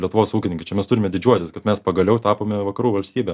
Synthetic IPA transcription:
lʲiɛt̪ʊʋoːsuːkʲɪnʲɪŋkɐɪt͡ʃʲɛmʲɛst̪ʊɾʲɪmʲɛd̪ʲɪd͡ʒʲuɔt̪ʲɪskɐt̪mʲɛspɐɡɐlʲɛʊt̪ɑːpoːmʲɛʋɐkɐɾuːʋɐlʲsʲt̪ʲiːbʲɛ

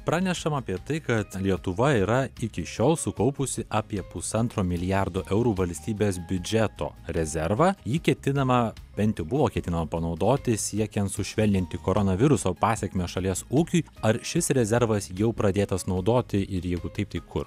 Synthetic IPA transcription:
pɾɑːnʲɛʃɐmɑːpʲiɛt̪ɐɪkɐt̪lʲiɛt̪ʊʋɐiːɾɐɪkʲɪʃʲoːlˠsʊkɐʊpʊsʲɪʔɑːpʲiɛpʊsɐnt̪ɾoːmʲɪlʲɪjæɾd̪oːʔɛʊɾuːʋɐlʲsʲt̪ʲiːbʲeːsbʲʊd͡ʒʲɛt̪o̰ːɾʲɛzʲɛɾʋɑːjiːkʲɛt̪ʲɪnɐmɐbʲɛnt̪ʲjɛʊbʊʋoːkʲɛt̪ʲɪnɐmɐpɐnɒʊd̪oːt̪ʲɪsʲiɛkʲɛnt̪sʊʃʲʋʲɛlʲnʲɪnʲt̪ʲɪkoːɾonɐʋʲɪɾʊsoːpɑːsʲɛkmʲeːʃɐlʲiɛsuːkʲʊɪɐɾʃʲɪsɾʲɛzʲɛɾʋɐsjɛʊpɾɐd̪ʲeːt̪ɐsnɒʊd̪oːt̪ʲɪʔɪɾjɛɪɡʊt̪ɐɪp̚t̪ɐɪkʰʊr

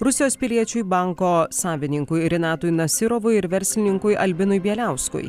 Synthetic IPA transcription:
ɾʊsʲɪjoːspʲɪlʲiɛt͡ʃʲʊjbɐˑŋkoːsɑːʋʲɪnʲɪŋkʊjɾʲɛnɑːt̪ʊjnɐsʲɪɾoʋʊjɪɾʋʲɛɾʲsʲlʲɪnʲɪŋkʊjɐlʲbʲɪnʊjbʲiɛlʲæˑʊskʊ̰j

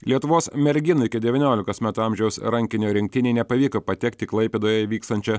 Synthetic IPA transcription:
lʲiɛt̪ʊʋoːsmʲɛɾʲɡʲɪnʊɪkʲɪd̪ʲɛʋʲɪnʲoːlʲɪkoːsmʲæːt̪uɐmʲʒʲɛʊsɾɐŋʲkʲɪnʲoːɾʲɪŋʲk̚t̪ʲɪnʲɛɪnʲɛpɐʋʲiːkoːpɐt̪ʲɛkt̪ʲɪklˠɐɪpʲeːd̪oːjɛʋʲiːkst̪ɐnʲt͡ʃʲɛ

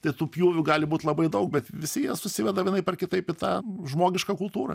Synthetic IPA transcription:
t̪ɐɪt̪uːpʲjuːʋʲʊɡɑːlʲɪbuːt̪ʲlˠɐbɐɪd̪ɐʊk̚bʲɛt̪ʋʲɪsʲɪjɛsʊsʲɪʋʲɛd̪ɐjɪnɐɪpʲɛrkʲɪt̪ɐɪpɪt̪ɑːʒmoːɡʲɪʃkɐkʊlˠt̪uːɾɐ̰

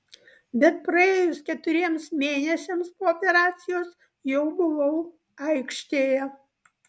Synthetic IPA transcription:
bʲɛt̪̚pɾɐeːjʊskʲɛt̪ʊɾʲiɛmsmʲeːnʲɛsʲemspoːopʲɛɾɑːt̪sʲɪjoːs | jɛʊbʊʋɐʊ | ɐɪkʃʲt̪ʲeːjɛ

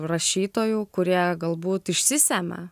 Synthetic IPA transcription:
rɐʃʲiːt̪oːjukʊɾʲiɛɡɐlˠbuːt̪ɪʃʲsʲɪsʲæːmʲɛ̰

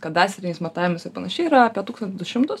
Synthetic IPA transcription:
kɐt̪d̪ɑːsʲɛɾʲɪnʲɛɪsmɐt̪ɑːʋʲɪmɪsɐpɐnɐʃʲɛɪiɾɐɐpʲiɛt̪uːkst̪ɐntʲzd̪ʊʃʲɪmt̪ʊs

